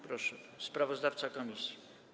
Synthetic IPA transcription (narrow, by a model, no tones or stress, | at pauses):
pɾɔʂɛspɾavɔzd̪aft̪sakɔmʲisʲji